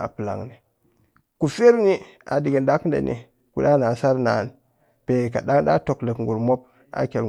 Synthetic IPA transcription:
a̰˨pə˨la̰˨ŋni˨ | ku˨fe˦ɾni˦ | a̰˨di˨ɡe˨nda˦kndḛ˨nʔḭ˨ | kṵ˨da˦na˨sa˦ɾna˨n | pe˨ka˨ɗa˦ŋɗa˦to˨kle˨kŋɡu˨ɾmo˦p̚ | a̰˨ke˨l

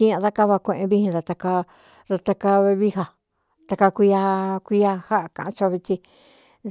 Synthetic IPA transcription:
ĩ˦ã˧ða˦ka˦βa˧kʷẽ˧ʔẽ˧βi˦hĩ˧ða˧t̪a˧ka˧ | ða˧t̪a˧ka˧e˧βi˦ɦa˧ | t̪a˧ka˧kʷi˧a˧kʷi˧˦a˧ha˦ʔkã̰˨ʔã˧t͡ʃo˧βi˧t̪i˧

